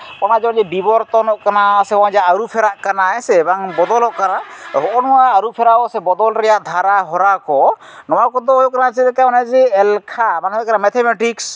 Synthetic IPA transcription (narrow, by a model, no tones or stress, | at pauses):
kɔnad͡ʒɔad͡ʒɛbibɔɾt̪ɔnɔʔkanasɛɔad͡ʒaaɾupʰɛɾaʔkanaɛsɛbaŋbɔd̪ɔlɔʔkanaɦɔʔɔnɔwaːɾupʰɛɾaɔʔsɛbɔd̪ɔlɾɛjaʔd̪ʱaɾaɦɔɾakɔ | nɔwakɔd̪ɔːjɔʔkanasɛlɛkamɔnad͡ʒɛɛlkʰabanɔɔkanamɛt̪ʰɛmɛʈiks